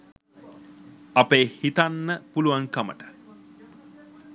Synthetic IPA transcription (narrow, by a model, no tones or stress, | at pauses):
apeːhit̪anːəpuluʋaŋkamə̰ʈə̥